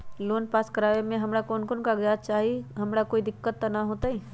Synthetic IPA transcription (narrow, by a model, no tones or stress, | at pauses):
loːnpaːskəɾaːʋemẽɦɐmɾakoːnkoːnkaɡjaːd̪̚t͡ʃaːɦiɦɐmɾakoːid̪ɪkːət̪ːanaɦoːt̪aɦi